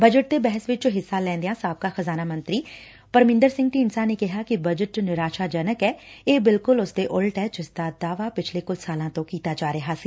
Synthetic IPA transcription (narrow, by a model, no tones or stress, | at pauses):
bəd͡ʒəʈ̚d̪eːbɛɦəsʋɪt͡ʃɦɪsːaːlɛ̃ːnd̪ejãːsaːb̚kaːxəzaːnaːmə̃nt̪ɾiː | pəɾmɪ̃nd̪əɾsɪ̃ŋɡ̚ʈiːnsaːneːkɪɦaːkɪbəd͡ʒəʈnɪɾaːʃaːd͡ʒənəkɛːeːbɪlkʊlʊsd̪eːʔʊlʈɛːd͡ʒɪsd̪aːd̪aːʋaːpɪt͡ʃʰleːkʊd͡ʒsaːlãːt̪õːkiːt̪aːd͡ʒaːɾəɦaːsiː